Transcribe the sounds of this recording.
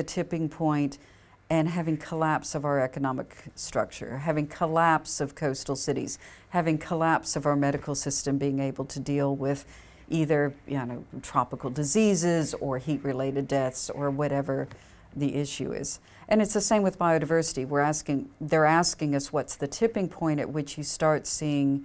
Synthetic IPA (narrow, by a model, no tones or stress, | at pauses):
ɨtʰɪpɪ̃ŋpʰɔ̃ɪ̃nt | ɨ̃nɦævɪ̃ŋkʰəlæpsʌvaʊə˞ɛkɨnɑmɨkstɹ̥ʌ̰k̚t͡ʃə̰˞ɦævɪ̃ŋkʰəlæpsʌv̥kʰoʊstl̩ˠsɪɾḭz̥hævɪ̃ŋkʰəlæpsʌvaʊə˞mɛɾɨkl̩ˠsɪstɨ̃mbiɪ̃ŋeɪbl̩ˠtʰɨdilˠwɪð | ʔiðə˞jɨ̃noʊtʰɹ̥ɑpəkl̩ˠdɨzizɪzə˞hiʔ̚ɹɨleɪɾɨdɛθsə˞wʌɾɛvə˞ | ðiʔɪʃʉ̰ɪ̰z̥ | ʔɨ̃ñɨtsðɨsẽɪ̃mwɨðbaɪoʊɾɨɪvɜ˞sɨɾiwɪɹæskɪ̃ŋðə˞æskɪ̃ŋʌswʌtsðɨtʰɪpɪ̃ŋpʰɔ̃ɪ̃ɾ̃ɨ̰ʔ̚wɨt͡ʃjɨstɑɹtsiɪ̃ŋ